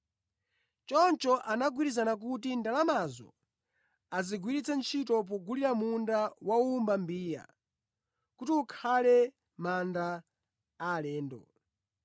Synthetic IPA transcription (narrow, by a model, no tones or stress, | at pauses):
t͡ʃɔnt͡ʃɔʔanaɡwiɾizanak̬utindalamazɔ̰ | aziɡwiɾit͡sʰant͡ʃʰitɔp̬ɔɡuliɾamundawaumbambiːja̰ | kutiukʰalɛ | mandaː | lɛːndɔ